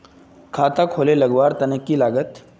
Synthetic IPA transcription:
kʰat̪akʰoleləɡʋaɾt̪ənekiːlaɡət̪

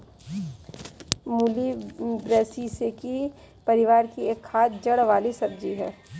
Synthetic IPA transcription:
muːlibɾɛːsiseki | pɐɾɪʋaːɾkieːkʰːaːt̪d͡ʒɐɽʋaːlisɐb̚d͡ʒiɦɛː

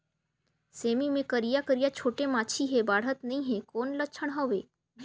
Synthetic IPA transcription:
seːmimẽkəɾijakəɾijat͡ʃʰoːʈemãːt͡ʃʰiɦebaːɽɦət̪nɐɦĩɦẽkoːnlətːʃʰəɽ̃ɦoːʋeː

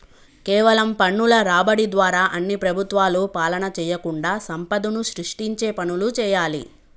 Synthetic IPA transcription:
kɛːʋɐlɐmpɐɳːulɐɾaːbɐɽid̪ʋaːɾaːʔɐnːipɾɐbʱut̪ʋaːluːpaːlɐnɐt͡ʃɛːjɐkuɳɖaːsɐmpɐd̪unuʃɾiʂʈiɲt͡ʃeːpɐnulut͡ʃɛːjaːlḭ

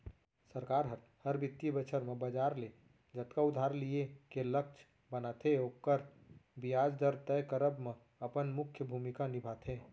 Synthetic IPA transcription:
səɾkaɾɦəɾ | həɾbit̪ːibət͡ʃʰəɾmebəd͡ʒaɾle | d͡ʒət̪kaud̪ʱaɾlijekelək̚t͡ʃʰ | bənat̪ʰeokːəɾbijad͡ʒd̪əɾt̪ɛjkəɾəbme | əpənmukʰjəbʱumikanibʱat̪ʰe

